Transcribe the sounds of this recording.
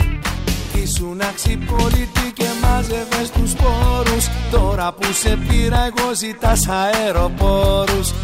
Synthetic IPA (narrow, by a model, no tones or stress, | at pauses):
isunaksipolit̪icemazevest̪uspoɾust̪oɾapuse̞piɾɐeɣosit̪ɐsaeɾo̞poɾus